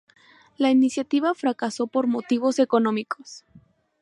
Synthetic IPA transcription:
lainisjat̪iβafɾakaso̞po̞ɾmo̞t̪iβo̞se̞ko̞nõ̞mikʰo̞s

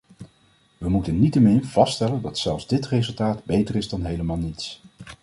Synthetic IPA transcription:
ʋəmutənnitəmɪnv̥ɑstɛləndɑtsɛlˠfzdɪtrezɵlˠtaːdbejtərɪzdɑnɦejləmaːlˠnits

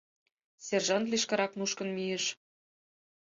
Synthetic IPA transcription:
sʲerʒɑnt̪liʃkɑɾɑknuʃkə̆nmijĕʃ

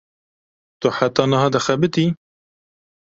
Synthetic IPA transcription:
t̪ʊħat̪ːɑːnɨɦɑːd̪ɐxɛbɨt̪i

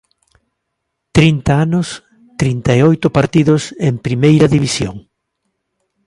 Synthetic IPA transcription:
t̪ɾint̪aanʊs | t̪ɾint̪aeojt̪ʊpaɾt̪iðʊsempɾimejɾɐðiβisjo̰ŋ

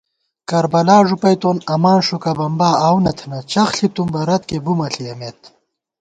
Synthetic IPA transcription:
kɐɾbɐlaːʐupɐjt̪oːnɐmaːnʂukɐbɐmbaːaːwnɐt̪ʰnɐt͡ɕɐxɬit̪umbɐɾɐt̪kebumɐɬijɐmet̪̚

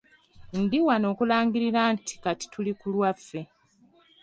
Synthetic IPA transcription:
ndiwano̞ːkulaːŋɡiɾiɾanti̥kati̥tulikulwafːe̞

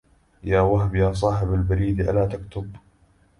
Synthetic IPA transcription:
jaːwaɦbjaːs̬ˤɑːħɪbalbaɾiːd̪ʔa̰laːt̪akt̪ʊb

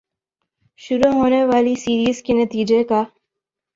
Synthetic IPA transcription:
ʃʊɾuɦoːneʋaːlisiːɾiːzkenɐt̪iːd͡ʒeka

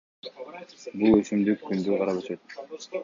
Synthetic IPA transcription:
bulˠøsymd̪ykʰːynd̪yqɑɾɑpøsøt̪̚

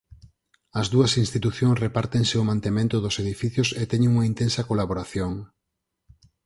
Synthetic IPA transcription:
ɐzðuɐsinst̪it̪uθjõŋsrepaɾt̪eŋseʊmãnt̪emẽnt̪ʊðoseðifiθjʊset̪ɛɲẽŋuŋɐint̪ensɐkolaβoɾaθjoŋ

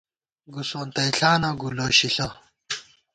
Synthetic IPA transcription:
ɡusont̪ɐiɬaːnɐɡuloːɕiɬɐ

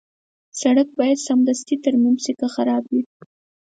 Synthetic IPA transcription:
saɽak̚bɑjad̪samd̪ast̪it̪aɾmimsikaxaɾɑbwi

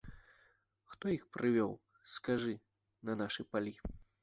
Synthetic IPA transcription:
xt̪ɔjixpɾʔɨvʲɔw | skaʐɨ | nɐnaʂɨpalʲi

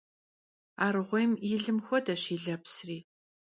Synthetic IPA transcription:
aːɾɨʁʷɔjmiːɮɨmxʷɔdɐɕiːɮɐpsriː

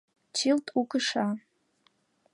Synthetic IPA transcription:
t͡ʃʰiltʼukɨʂa

